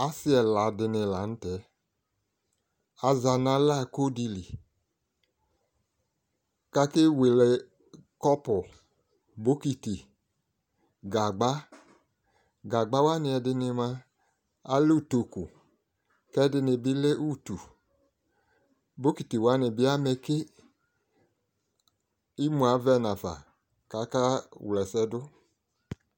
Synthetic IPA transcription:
a˦sɪ˦ɛ˨la˨dɪ˧nɪ˧la˨˦n̩˦tɛ˨˦ | a˧za˧na˧˦la˦˨ko˦di˧li˨ | ka˧ke˦we˨lɛ˨ | kɔ˦pʊ˨ | bo˦ki˧ti˨ | ɡa˨ɡ͡ba˦ | ɡa˨ɡ͡ba˦wa˦nɪ̃˧ɛ˧dɪ˧nɪ˧ma˧ | a˦lu˦˨to˧ku˨ | kɛ˦dɪ˧nɪ˧bi˦le˦ʔu˦˨tu˨ | bo˨˦ki˨ti˨wa˨˦nɪ˨bɪ˦a˦mɛ˧ke˦ | i˦mũ˨a˨˦vɛ˦˨na˨fa̰˨ | ka˨˦ka˦wlɛ˨sɛ˧˦dʊ˦

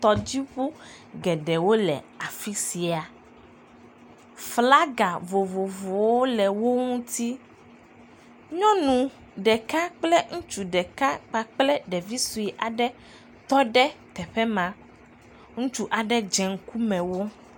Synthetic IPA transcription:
t̪ɔ˨d͡ʑi˦ɸu˦ | ɡɛ˨ɖɛ˨wo˦lɛ̰˨ | a˨fi˦si˨a˨ | fla˦ɡa˨vo˨vo˨vo˨wo˦lɛ˨wo˦ŋũ˦t̪i˦ | ɲɔ̃˦nũ˨ | ɖɛ˨ka˦k͡plɛ˦ŋũ˦t͡ʃu˨ɖɛ˨ka˦k͡pa˦k͡plɛ˦ɖɛ˨vi˦su˨i˨ʔa˨ɖɛ˦ | t̪ɔ˦ɖɛ˦t̪ɛ˨ɸɛ˦mã˨ | ŋũ˦t͡ʃu˦ʔa˨ɖɛ˦d͡ʒɛ˨ŋ̩˦ku˦mɛ̃˨wo˦

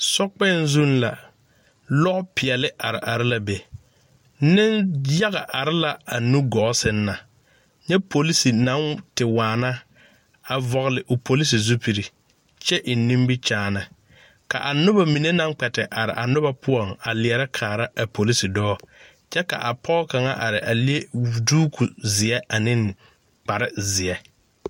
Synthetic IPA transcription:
sɔ˦k͡pɛ˦˨nzu˦nla˨ | lɔ˦pɪ˨ɛ˨lɪ˦ʔa˨ɾɪ̰˨ʔa˨ɾɪ˦la˨be˨ | nɪ˦nja˦ɣa˨ʔa˨ɾɪ˦la˨a˨nu˦ɡɔ˨˦sɪ˦nːa˨ | ɲɛ˦pʰo˨li˦si˨nã˦ntɪ˨waː˨na˦ | a˨vɔ˨ɣɪ˨lɪ˨ʔʊ˨pʰo˨li˦s̬i˨zu˦pi˨ɾi˨ | t͡ʃɛ˦ʔɪ˨nːĩ˦mbi˦t͡ʃaː˦na˨ | ka̰˨ʔa˨nʊ˦ba˨mi˨ne˦na˦ŋ˦k͡pɛ˨tɪ˨ʔa˨ɾɪ̰˨ʔa˨nʊ˦ba˦pʊ˦ɔ˨ŋa˨lɪ˨ɛ˨ɾa˦kʰaː˨ɾa˦a˨po˨li˦si˨dɔː˦ | t͡ʃɛ˦ka̰˨ʔa˨pʰɔ˦ka˨ŋa˦ʔa˨ɾɪ˨ʔa˨lɪ˦e˦˨duː˦kʰu˨zɪ˨ɛ˦a˨nɪ̃˦n | k͡pa˨ɾɪ˦zɪ˨ɛ˦

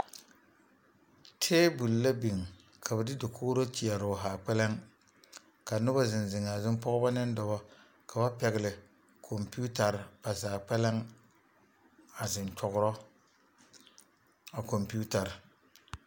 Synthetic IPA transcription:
tʰeː˦bu˨lla˦bi˨ŋ | kʰa˨bɛ˨dɪ˦dɪ˨kʰoː˦ɾo˦t͡ʃi˨a˨ɾʊ˨ɦaː˨k͡pɛ˦lɛ˦ŋ | ka˨nʊ˦ba˦zɪ˨n˨zɪ˨ŋa˨zɪ˦m˦pɔ˦ɣʊ˦ba˦nɪ˦n˦dɔ˨bɔ˦ | kʰa˨ba˦pɛ˨ɣɪ˨lɪ˨ | kʰo˨mpi˦u˦ta˨ɾba˨saː˨k͡pɛ˦la˦ŋ | a˨zɪ˨nt͡ʃɔ˨ɣʊ˦ɾɔ˦ | a˨ko˨mpi˦u˦ta˨ɾ

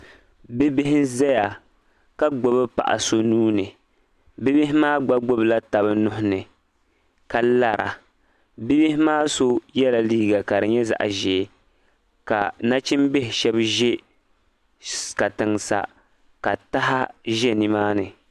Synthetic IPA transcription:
bɪ˦bɪ˦ɦɪ˦zɛ˦ja˨ | ka˦ɡ͡bo˨bɨ˦pa̰˨ʔa̰˨so˦nuː˦nɨ˨ | bɪ˦bɪ˦ɦɪ˦maː˦ɡ͡ba˦ɡ͡bo˦bla˦ta˨bɨ˦nʊ˦ɦʊ˦nɨ˨ | ka˨la˦˨ɾʔa̰˨ | bi˦bɪ˦hɪ˦maː˦so˦jɛ˦la˨liː˦ɡa˨ka˨ɾɨ˨ɲɛ˦za̰˨ʔa̰˨ʒɛ˨˦ | ka˨na˦t͡ʃi˦mbe˦hɪ˨ʃɛ˦bʒɛ˦ | ka˨tɨ˨ŋsa̰˨ | ka˨ta˦ɦa˦ʒɛ˦ni˨maː˦nɨ˨

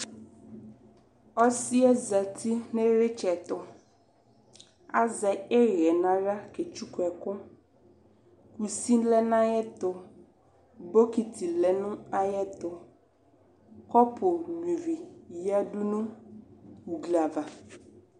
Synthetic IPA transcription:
ɔ˦si˦ɛ˦za˨t̪ʰi˦nɪ˦ɾɪ˦t͡ʃɛ˨t̪ʊ˨ | a̰˦zɛ˨e˦ɾɛ˨nã˨ɾa˦ke˨t͡ʃu˦kwɛ˨kʊ˦ | ku˨si˦nlɛ˦nã˦jɛ˦t̪ʊ˨ | bo˦ki˨tʰi˨lɛ˨nʊ̃˦a˦jɛ˦t̪ʊ˨ | kɔ˦pʰʊ˨n˨i˨vi˨ja˦du˦nʊ̃˦ | u˨ɡla˨va˨

